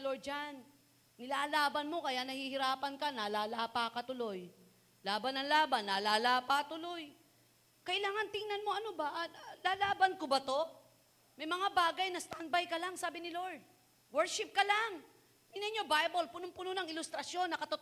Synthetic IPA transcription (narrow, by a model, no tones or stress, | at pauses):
loɹd̪̚d͡ʒanː | ɪlaːʔlaːbɐnmo̞kɐjaʔnɐhiːhɪɾaːpɐnkɐnaːlaːlaːpakɐt̪ʊlo̞j | laːbɐnɐŋlaːbɐnːalaːlaːpat̪ʊlo̞j | kɐʔɪlaːŋɐnt̪ɪŋnɐnmo̞ʔɐnobaʔlaːlaːbɐnkobɐt̪o̞ | mɐjmɐŋabaːɡɐjnɐst̪anbajkɐlaŋsaːbɪnɪloɹd̪̚ | wɛɹʃɪp̚kɐlaŋ | ɪnɐɲobajbolpʊnʊŋpʊnonɐŋɪlʊst̪ɾɐsjo̞nːɐkɐt̪ot̪